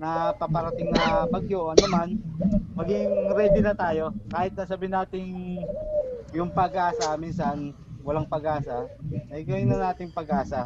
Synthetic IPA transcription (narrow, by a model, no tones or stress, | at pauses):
nɐpɐpɐɾɐt̪ɪŋnɐbɐɡ̚joːʔɐnːɐmanmɐɡɪŋɾɛːb̪ɪnɐt̪aːjo̞kaːhɪt̪̚nɐsabɪɪnaːt̪ɪŋ | jʊŋpɐɡʔaːsɐminsɐn | wɐlaŋpɐɡʔaːsɐɐjɡɐwɪnːɐnaːt̪ɪŋpɐɡʔaːsɐ